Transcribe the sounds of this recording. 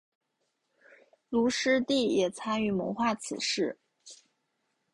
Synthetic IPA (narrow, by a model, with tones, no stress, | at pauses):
lu˧˥ʂɻ̩˥t̪i˥˩jɛ˨˩t͡sʰa˥ny˥˩mə̰˧˥xwa˥˩t͡sʰɹ̩̰˨˩ʂɻ̩˥˩